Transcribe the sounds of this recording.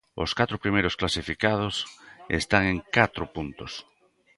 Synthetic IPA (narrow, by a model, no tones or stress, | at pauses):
o̰skat̪ɾʊpɾimejɾosklasifikað̞osḛst̪aŋeŋkat̪ɾʊpunt̪os